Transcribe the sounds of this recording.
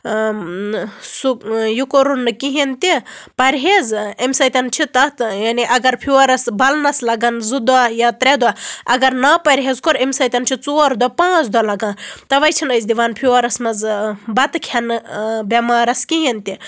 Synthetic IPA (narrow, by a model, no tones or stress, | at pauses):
sujukoɾunːɨkiɦint̪ipɐɾʲɦezemsɐjt̪ʲɐnt͡ʃʰit̪ɐt̪janiʔɐɡɐɾpʰiɐɾɐsbɐlnɐslɐɡɐnzud̪ajat̪ɾed̪aɐɡɐɾnɐpɐɾʲɦezkoɾemsɐt̪ʲɐnt͡ʃʰit͡soɾd̪ɔpãːt͡sʰd̪ɔlɐɡaːnt̪ɐʋɐjt͡ʃʰinəjzd̪iʋaːnpʰiɐɾɐsmɐzbɐt̪kʰɐnbɐmaːɾɐskiɦint̪i